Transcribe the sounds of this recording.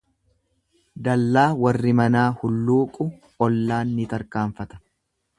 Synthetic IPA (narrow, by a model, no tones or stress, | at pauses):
d̪ɐlːaːwɐrːɪmɐnaːhʊlːuːkʼʊ | ɔlːaːnːɪt̪ɐɾkaːɱfɐt̪ɐ̥